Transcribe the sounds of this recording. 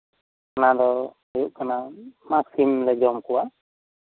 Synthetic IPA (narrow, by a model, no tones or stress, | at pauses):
kanad̪ɔ | ɔjuʔkanamaksimlɛd͡ʒɔmkuwa